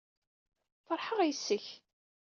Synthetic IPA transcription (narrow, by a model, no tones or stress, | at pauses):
fɑɾˤħəʁjsːəç